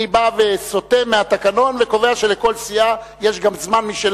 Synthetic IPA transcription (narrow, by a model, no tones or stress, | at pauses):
ibaveso̞t̪emeat̪akano̞nveko̞veaʃe̞leko̞lsija | jeʃɡamzmanmiʃel